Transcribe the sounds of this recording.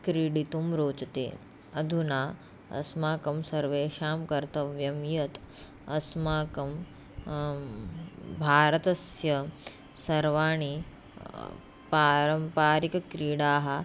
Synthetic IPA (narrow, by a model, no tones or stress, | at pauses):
kɾiːɽit̪umɾoːt͡ʃɐt̪ḛː | ɐd̪ʱunaː | ɐ̰smaːkɐmsɐɾʋeːʃaːmkɐɾt̪ɐʋjɐmjɐt̪ | ɐsmaːkɐm | bʱaːɾɐt̪ɐsjɐ | sɐɾʋaːɳ̃i | paːɾɐmpaːɾikɐkɾiːɽaːɦɐ̆